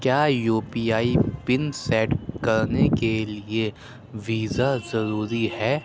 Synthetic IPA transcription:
kjaːjuːpiːaːipɪnsɛːʈkɐɾnekelie | ʋiːzazɐɾuːɾiɦɛː

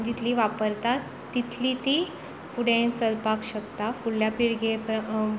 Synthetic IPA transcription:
d͡ʑit̪ʰliʋapəɾt̪at̪ːit̪ʰlit̪i | fuɽẽɳt͡səlpakɕəkt̪afulljapiɽɡepə

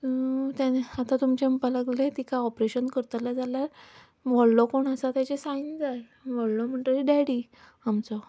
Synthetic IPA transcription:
t̪janat̪at̪umt͡ɕempaləɡlet̪ikaɔpɾeɕənkəɾt̪alad͡zalaɾ | ʋɔɭlɔkoɳəsat̪jat͡ɕesaind͡zae | ʋəɭlɔm̤əɳʈ̪əɾiɖaɽi | amt͡sɔ

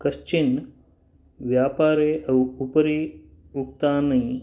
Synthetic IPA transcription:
kɐʃt͡ʃin | ʋjaːpaːɾeɐwupɐɾi | uk̚t̪aːnɐĩ

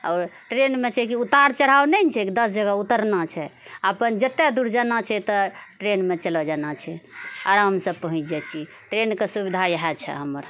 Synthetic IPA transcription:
ɔːɾʈɾenmet͡ʃʰɛkiut̪aɾt͡ʃəɽ̤awnɛnt͡ʃʰɛkid̪əsd͡ʒəɡaut̪əɾnat͡ʃʰɛapənd͡ʒət̪ːed̪uɾd͡ʒanat͡ʃʰɛt̪ɔʈɾenmet͡ʃəlɔd͡ʒanat͡ʃʰɛəɾɦəmsəb̚pəɦũt͡ʃd͡ʒɛt͡ʃʰi | ʈɾenkesubid̪ʱajəɦɛt͡ʃʰɛ̰ɦəməɾ

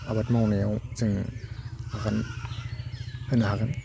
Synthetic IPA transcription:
ʔabat̪̚mawnɛwsɯŋ | hakan | hɯnahakan

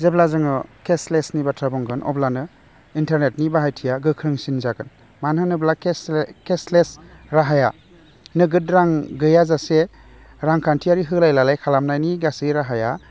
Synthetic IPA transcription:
zeblazɯŋɯkʰeslesnibatʰɾabɔŋɡɯnʔɔ̰blanɯ | intaɾnetnibaɦajtʰijaɡɯkʰɾɯŋsinzaɡɯn | manɯnɯblakkeslesɾaɦaja | nɯɡɯt̚ɾaŋɡɯjazase | ɾaŋkʰantʰiaɾiɦɯlajlalajkʰalamnajniɡasɯjɾaɦaja

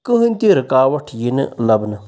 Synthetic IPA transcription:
kɨɦɨnʲt̪iɾɨkaːwɐʈʰjinɨlɐbnɨ

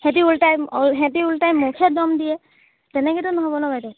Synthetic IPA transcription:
hẽtiultajmlɦɛtiultajmːukʰɛdɔmdijɛ | tɛnɛkɛtʊnɔɦobɔnɔbajtɔ

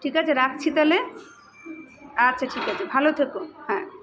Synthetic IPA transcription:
ʈʰikat͡ɕʰeɾak̚t͡ɕʰit̪ale | atːɕʰaʈʰikat͡ɕʰebʱalot̪ʰekoɦɛ̃ː

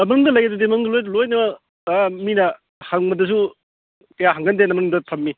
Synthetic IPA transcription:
ɐmɐŋdɐlɐjɐdɐdimɐŋdɐlojlojnɐmɐ | minɐ | haŋmɐdɐs̬u | kɐjaɦaŋɡɐndenɐmɐnŋdɐtʰɐmːi

